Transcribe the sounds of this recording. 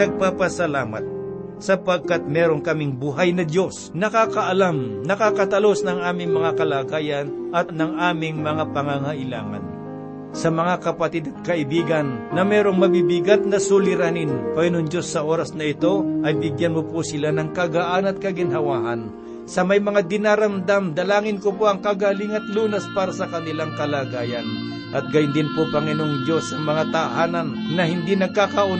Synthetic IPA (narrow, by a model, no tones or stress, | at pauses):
ɐɡ̚papɐsɐlaːma̰t̪̚ | sɐpɐɡ̚kat̪̚mɛːɾonkɐmɪŋbuɦajnɐd̪jo̞snɐkakɐʔɐlamnɐkakɐt̪ɐlo̞snɐŋʔaːmɪŋmɐŋakɐlaːɡaːjɐnʔɐt̪nɐŋʔaːmɪŋmɐŋapɐŋaŋaʔɪla̰ːŋa̰n | sɐmɐŋakɐpɐt̪ɪd̪ɐt̪̚kɐʔɪbiːɡɐnːɐmɛːɾo̞ŋmɐbibɪɡat̪̚nɐsulɪɾaninpɐjʊnʊŋd͡ʒo̞sːɐʔoɾɐsnɐɪt̪o̞ʔɐjbɪɡjanmʊposɪlanɐŋkɐɡaʔanɐt̪̚kɐɡɪnɦɐwaːha̰n | sɐmɐjmɐŋad̪ɪnaɾɐmd̪amd̪ɐlaːŋɪnkopoʔɐŋkaɡalɪŋɐt̪luːnɐspaːɾɐsɐkɐnɪlaŋkɐlaɡaːjɐn | ʔɐt̪̚ɡajʊnd̪ɪnpopɐŋɪnoŋd͡ʒjo̞sɐŋmɐŋat̪ahaːnɐnːɐhɪnd̪inɐɡ̚kakaʔo